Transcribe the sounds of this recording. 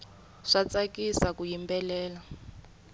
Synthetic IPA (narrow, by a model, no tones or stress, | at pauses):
ʂat͡sakisakujimbɛlɛːla